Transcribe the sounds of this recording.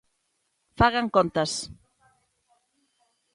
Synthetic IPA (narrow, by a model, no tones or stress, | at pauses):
faɣaŋkont̪ɐs